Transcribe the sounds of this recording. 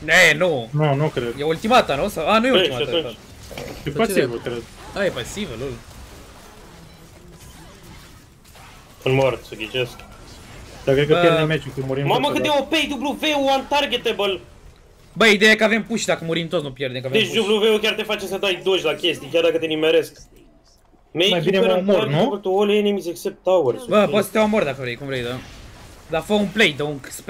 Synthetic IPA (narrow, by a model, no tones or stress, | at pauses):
enununukɾed̪jeult̪imat̪anusawanujeulimaat̪tunt͡ʃ | epasivəkʲaɾajepasivəlul | ɨnmort̪suɡ̪ʲit͡ʃesk | d̪akɾekəjeɾd̪emet͡ʃukemuɾimmaməkɨt̪eopejd̪ubluveuant̪arɡet̪ebəl | bəid̪ejaekəavempuʃd̪akəmuɾimt̪ot̪nupjerd̪emkaved̪et͡ʃd̪ubluveukʲaɾrt̪efat͡ʃesəd̪ajd̪oʃʲlakʲest̪ijkʲaɾd̪akət̪enimeɾesk | meemajbʲineemoenupet̪uoleenemizeksep̚t̪awəɾsbəpot̪si̥t̪ewamord̪akəvɾejkũvɾejd̪ə | d̪afəumplejd̪əuŋksp